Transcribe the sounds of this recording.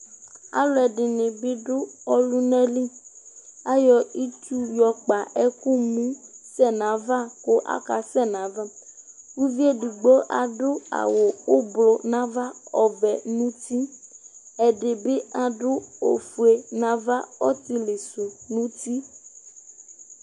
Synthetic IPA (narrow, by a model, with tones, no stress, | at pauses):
a̰˦lʊ˨˦ɛ˨ɖɪ˨nẽ˨be˦ɖʊ˦ɔ˦lu˦nɛ̃˦li˦ | a˦jɔ˨i˦t̪u˦jɔ˨k͡pa˨ʔɛ˦ku˦mũ˦sɛ˦nã˨va˦ko˦ʔa̰˦ka˨sɛ˦nã˨va˦ | ku˦vi˦e˦ɖu˨ɡ͡bo˦ʔa̰˨ɖʊ˦a̰˨wo˨o˦blo˨nã˦va˦ɔ˨vɛ˨nũ˦t̪i˦ | ɛ˨ɖe˨be˦a˨ɖʊ˦o̰˨fu˨e˨nã˨va˦ɔ˦t̪i˦le˨so˨nũ˦t̪i˦